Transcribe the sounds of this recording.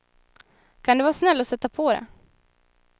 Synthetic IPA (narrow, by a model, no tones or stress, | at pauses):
kʰand̪ɛvɑːsnɛlːɔsɛt̪ːapʰɔd̪ɛ̰